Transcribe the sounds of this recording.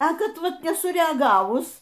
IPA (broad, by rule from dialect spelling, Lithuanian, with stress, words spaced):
ɐ ˈkɐt ˈʋɐt nʲɛsʊrʲɛɐˈɡɑːʋʊs